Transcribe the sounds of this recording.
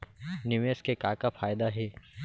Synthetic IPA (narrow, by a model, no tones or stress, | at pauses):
nɪʋeːskekaːkafʰaːjd̪aɦɛː